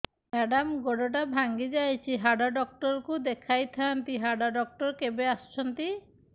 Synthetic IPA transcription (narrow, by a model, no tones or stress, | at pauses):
mɛɖamɡoɖɔʈ̬abʱaŋɡid͡ʒajt͡ʃʰiɦaɖaɖɔk̚ʈɔɾkud̪ekʰajt̪ʰant̪iɦaɖaɖɔk̚ʈɔɾkebeast͡ʃʰɔnt̪i